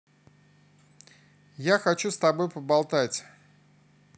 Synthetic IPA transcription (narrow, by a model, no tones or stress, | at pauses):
jaxɐt͡ɕust̪ɐbo̞jpəbɐlˠt̪atʲ